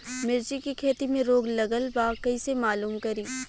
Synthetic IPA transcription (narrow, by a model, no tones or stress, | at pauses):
mɪɾt͡ʃikikʰeːt̪imẽɾoːɡlɐɡəlbakɐisemaːluːmkɐɾiː